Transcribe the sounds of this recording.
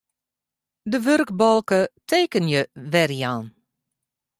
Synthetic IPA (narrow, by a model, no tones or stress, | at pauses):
dəʋørkbɔlˠkətʰeːkənjəʋɛrjaːn